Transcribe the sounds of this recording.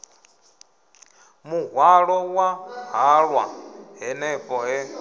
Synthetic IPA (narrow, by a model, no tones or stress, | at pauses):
muɦwaɺɔwaɦaɺwa̰ɦɛnɛpʼɔɛ